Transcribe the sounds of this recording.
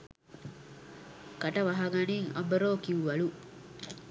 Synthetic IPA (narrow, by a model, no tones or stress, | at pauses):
ɡ̥ɐʈɐʋɐɦɐɡɐniŋɐ̰bɐɾoːkiuʋɐɭu